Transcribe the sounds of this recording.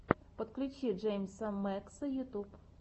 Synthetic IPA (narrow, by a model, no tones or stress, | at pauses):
pɔt̪klʲʊt͡ʃʲid͡ʒɛjmʲsɐmɛksɐjʊt̪up